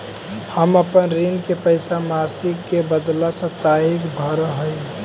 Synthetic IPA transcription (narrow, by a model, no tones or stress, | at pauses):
həməpənɾinkepəɪsamasikkebəd̪lasə̃t̪aikbʱəɾɦəj